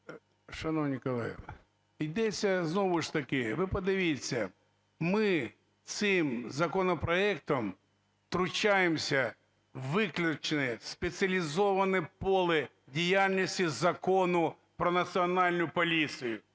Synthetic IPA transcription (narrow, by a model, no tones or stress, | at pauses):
ʃɐnɔwnʲikɐlˠɛ̰jɛ̰ | id̪ɛt͡sʲːɐznɔʋʊʃt̪ɐkɪʋɪpɔd̪ɪʋʲit͡sʲːɐ̰ | mɪ | t̪sɪmzɐkɔnɔpɾɔɛk̚t̪ɔm | t̪ɾʊt͡ʃajemsʲɐ | ʋɪklʲʊt͡ʃnɪspet͡sʲɐlʲizɔʋɐnɪpɔlˠɪ | dʲijalʲnʲisʲtʲizɐkɔnʊ | pɾɔnɐsʲiɔnɑlʲnʊjʊpɔlʲisɨjʊ